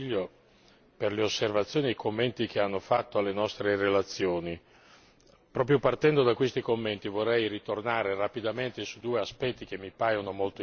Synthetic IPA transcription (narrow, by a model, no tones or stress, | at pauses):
ʎːo | perleosːervat̪sːjoːniikomːent̪ik̟eanːofat̪ːoalːenɔst̪ɾerelat̪sːjoːni | pɾɔːp̬ɾjopart̪ɛnd̪od̪akwest̪ikomːent̪ivorːɛjɾit̪ornaːɾerapid̪ament̪esud̪uːeaspɛt̪ːik̟emːipaːjonomolt̪o